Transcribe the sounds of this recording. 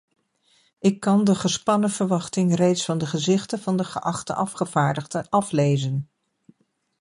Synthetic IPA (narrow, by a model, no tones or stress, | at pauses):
ɪkːɑndəχəspɑnəvəɹʋɑχtɪŋrejtsfɑndəχəzɪχtəvɑndəχəʔɑχtə̰ʔɑfχəv̥aːɹdəχdəʔɑflejzən